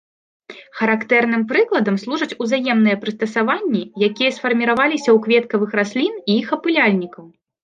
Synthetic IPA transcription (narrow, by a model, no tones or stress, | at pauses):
xɐɾakt̪ɛrnɨmpɾɨklˠɐd̪ɐmslˠuʐɐt͡sʲuzajɛmnɨjɛpɾɨst̪ɐsavanʲːijakʲijɐsfɐrmʲiɾavalʲisʲɐwkvʲɛt̪kɐvɨxɾasʲlʲiniixɐpɨlʲalʲnʲikɐw